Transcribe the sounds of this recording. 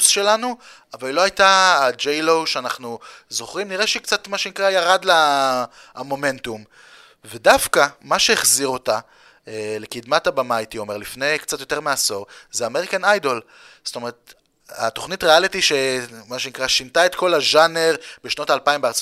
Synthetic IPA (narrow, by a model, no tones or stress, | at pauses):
sʃe̞lanu | avalloajtaːd͡ʒejlo̞wʃeanaχnuzo̞χʁimniʁeʃeikt͡satmaʃenikʁajaʁadla | mo̞me̞ntum | vedafkamaʃeeχziʁo̞ta | le̞kid̪matabamajtio̞me̞ʁlifne̞jkt͡sat̪jo̞te̞ʁmeaso̞ʁzeameʁikanajdo̞l | zto̞me̞ʁet | ato̞χnitʁealitiʃe̞maʃenikʁaʃintaet̪ko̞laʒaneʁbeʃno̞taːlpaimbeaʁt͡s